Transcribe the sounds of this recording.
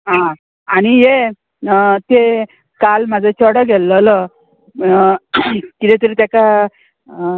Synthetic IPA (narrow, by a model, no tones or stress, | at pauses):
ɦã | aɽ̃ije | t̪e | kalmad͡zət͡ɕʰɔɽəɡʱɛlːələ | kit̪ɛt̪əɾit̪jaka